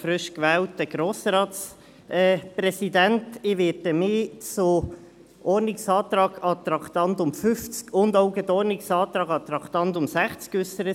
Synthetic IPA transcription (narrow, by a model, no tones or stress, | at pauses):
fɾʏʃkʋɛːlt̚dəɡ̥ɾoːsɾɑːt̪s | ɛpɾɛsid̪æntɪʋɪːdəmɪːt͡so | ʔɔːrnɪksɑːt̪ɾɑːɡɑt̪ɾɑkt̪ɑnt̪ʊmfʏft͡skʰʊnd̪oʊɡɛt̪ɔːrnɪksɑːt̪ɾɑːɡɑt̪ɾɑkt̪ɑntʊmsæχt͡skʏsːəɾə